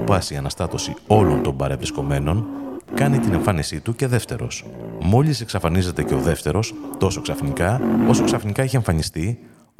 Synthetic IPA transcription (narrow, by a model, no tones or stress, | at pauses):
pɐsiɐnɐst̪ɐt̪o̞sio̞lo̞nt̪o̞mbɐɾe̞vɾisko̞me̞no̞nkɐnit̪ine̞ɱfɐnisit̪uce̞ðe̞ft̪e̞ɾo̞̰smo̞lise̞ksɐfɐnize̞t̪e̞ce̞o̞ðe̞ft̪e̞ɾo̞st̪o̞so̞ksɐfnikɐo̞so̞ksɐfnikɐeçie̞ɱfɐnist̪i